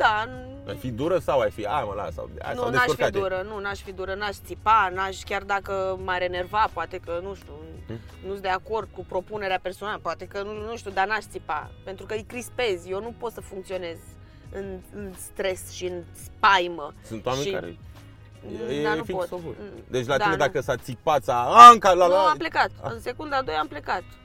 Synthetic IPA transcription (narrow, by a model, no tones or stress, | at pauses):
d̪̥a | a̰jfid̪uɾəsawajfiaməla̰sa̰wa̰nsuand̪eeaʃofkad̪uɾənunaʃfid̪uɾənaʃt̪sipanaʃkʲard̪akəmaɾe̞ne̞rvapoat̪e̞kənuʃt̪ʲu | nusd̪e̞ako̞rd̪̚kupɾo̞pune̞ɾeape̞rsonaləpoat̪e̞kənunuʃt̪ʲud̪anaʃt̪sipa̰pe̞nt̪ɾukəɨjkɾispe̞zjewnupo̞t̪səfuŋk̚t̪sio̞ne̞z | ɨnɨnst̪ɾe̞sʃiɨn | spajməsunt̪wamʃenia̰ | jed̪anufipot̪d̪et͡ʃʲlad̪ied̪akəsat̪sik̚pat̪saaŋkalaaaple̞kat̪ɨnse̞kund̪ad̪o̞jample̞kat̪